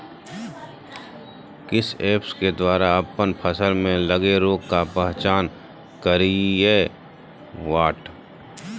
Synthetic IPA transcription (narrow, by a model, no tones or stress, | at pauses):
kɪseːpsked̪waːɾaɐpənpʰəsəlmẽləɡeɾoːɡkapɛɦt͡ʃaːn | kəɾiɛː | ʋaːʈ